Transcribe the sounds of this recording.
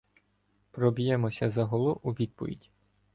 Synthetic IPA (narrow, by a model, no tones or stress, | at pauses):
pɾɔbʲijɛmɔsʲɐzɐɦɔlˠɔʔuʋʲid̪̚pɔ̰ʋʲḭdʲi